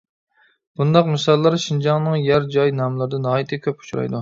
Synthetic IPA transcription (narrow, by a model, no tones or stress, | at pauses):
b̥und̪ɑqmɨsɑlˠːɑɾʃind͡ʒɑŋnɨŋjæɾd͡ʒɑjnɑmlˠɨɾd̪ɨnɑːit̪ʰɨkʲʰøpu̥t͡ʃʰɾɑ̰jd̪u